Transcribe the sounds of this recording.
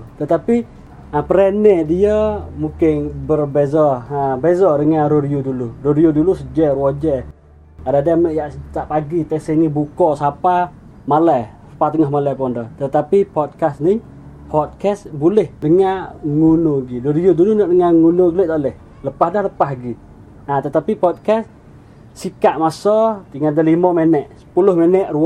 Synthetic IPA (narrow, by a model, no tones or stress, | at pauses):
t̪ət̪api | apəɾenɛdiəmukɪnbərbezɔabezɔdəŋanɾoɾiuduluroɾiudulusəd͡ʒɛrwad͡ʒɛ | adadaməʔjaʔt̪aʔpaɡit̪ɛsənibukɔʔsapa | malajsḁpat̪əŋahmalapɔndət̪ət̪apipɔt̪̚kasni | pʰɔt̪̚kɛsbulɛhdəŋaŋunoɡidoɾijudulunaʔdəŋaŋunoɡəlɛʔt̪alɛh | ləpahdahləpaɦɡi | at̪ət̪apipɔt̪̚kɛs | sikaʔmasɔt̪iŋadalimɔmenɛʔsə̥pulʊhmenɛʔɾu